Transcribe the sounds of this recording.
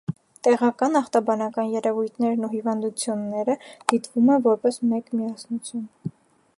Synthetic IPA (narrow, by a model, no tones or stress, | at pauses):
t̪ɛʁɑkɑnɑχt̪ɑbɑnɑkɑnjɛɾɛvujt̪ʰnɛɾnuɦivɑnd̪ut͡sʰjunːɛɾəd̪̥it̪vumɛvɔɾpɛsmɛkmiɑsnut͡sʰjun